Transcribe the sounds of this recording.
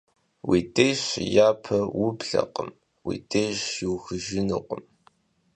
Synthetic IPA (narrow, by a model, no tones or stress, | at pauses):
wiːtʼejɕjaːpʰɐwʊbɮɐ̰qəm | wḭːtʼejɕiwxɨʒɪnuqʷʼəm